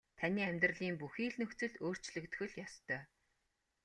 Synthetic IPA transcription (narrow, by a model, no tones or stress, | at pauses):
t̪ʰanʲiːæmʲt̪rə̆ɮiːmpuxiːɮnɵ̆xt͡sɘ̆ɮoːr̥t͡ɕɮɵ̆kt̪xɘ̆ɮjɔst̪ʰœː